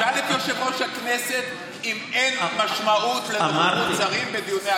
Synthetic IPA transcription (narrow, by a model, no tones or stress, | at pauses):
alifiʃevoʃakneset̪ | imenmaʃmaut̪lemaut͡saʁimbed̪ijune